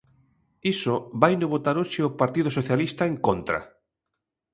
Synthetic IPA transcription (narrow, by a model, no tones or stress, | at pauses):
isobajnoβot̪aɾoʃeopaɾt̪iðosoθjalist̪aeŋkont̪ɾa̰